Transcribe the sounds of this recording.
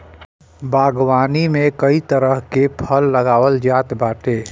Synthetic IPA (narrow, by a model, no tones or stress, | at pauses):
baːɡwaːnimẽkəit̪əɾəɦkepʰəlːəɡaːwəld͡ʒaːt̪baːʈe